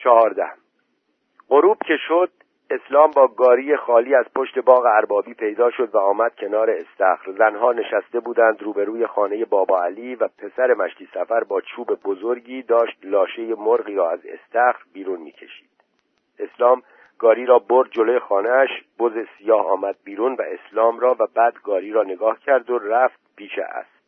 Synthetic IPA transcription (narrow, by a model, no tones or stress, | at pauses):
t͡ʃʰɒɦɒːɾd̪æ̰h | ɢoɾuːb̥cʰe̞ʃod̪̥̚ | e̞slɒːmbɒːɡɒːɾiːje̞xɒːliːæz̥pʰo̞ʃt̪e̞bɒːɣeæɾbɒːbiːpʰe̞jd̪ɒːʃo̞d̪væɒːmæd̪̥̚cʰe̞nɒːɾe̞est̪æxɾzænɦɒːne̞ʃæst̪e̞buːd̪ænd̪ɾuːbe̞ɾuːje̞xɒːne̞je̞bɒːbɒːæliːvæpʰe̞sæɾe̞mæʃt̪ʰiːsæfæɾbɒːt͡ʃʰuːbe̞bozoɾɟiːd̪ɒːʃt̪lɒːʃe̞jemoɾɣiːɾɒːæzḛst̪æxɾbiːɾuːnmḭːcʰeʃi̥̰ːd̪̥ | e̞slɒːm | ɡ̥ɒːɾiːɾɒːboɾd̪̚d͡ʒo̞loje̞xɒːneæʃb̥ozesijɒːhɒ̰ːmæd̪̚biːɾuːnvæʔe̞slɒːmɾɒːvæbæːd̪ɡɒːɾiːɾɒːne̞ɡɒːhcʰæɾd̪oræft̪̚pʰiːʃḛʔæ̰s